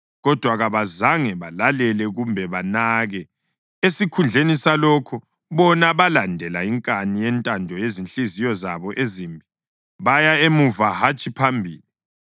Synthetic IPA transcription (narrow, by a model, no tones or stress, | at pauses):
ɣɔd̥ʱwaɣaβazaŋɛβalalɛlɛɣumbʱɛβanaɣɛ | esikʰund͡ɮʱenisalɔkʰɔ | βɔnaβalandʱɛlaiŋkʼanijɛntʼandʱɔjezinɬizijɔzaβɔʔeziːmbʱi | βajaemuvahat͡ʃʼipʰambʱiːli